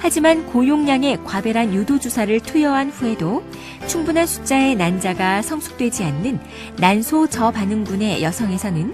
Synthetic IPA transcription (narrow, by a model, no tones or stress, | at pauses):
had͡ʑimankojoŋɲaŋe̞kwabe̞ɾɦanjudod͡ʑusʰaɾɯɭtʰujʌɦanɸue̞do | t͡ɕʰuŋbunɦansʰu̥t͡ɕ͈ae̞nand͡ʑaɡasʰʌŋsʰu̥k̚t͈we̞d͡ʑianːɯnː | ansʰot͡ɕʌpanɯŋɡune̞jʌsʰʌŋe̞sʰʌnɯn